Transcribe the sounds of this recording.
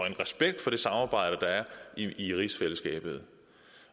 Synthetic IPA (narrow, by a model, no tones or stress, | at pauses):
enʁɛsb̥eɡ̥̚d̥fɒ̽ɾ̥e̝sɑ̈mɑ̈ːb̥ɑ̈ɪ̰ɾ̥əd̥ɑ̈æɐiiʁisfel̰əsɡ̥ɛ̰ːb̥ð̞̩ˠ